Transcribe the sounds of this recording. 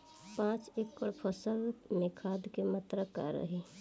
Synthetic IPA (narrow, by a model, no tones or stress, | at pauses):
pãːt͡ʃeːkːəɽpʰəsəlmekʰaːd̪kemət̪ɾəkːa̰ɾə̰ɦe